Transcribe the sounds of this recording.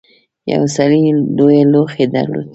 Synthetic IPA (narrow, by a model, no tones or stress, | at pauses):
ja̰wsalilojeloxed̪a̰ɾlo̰d̪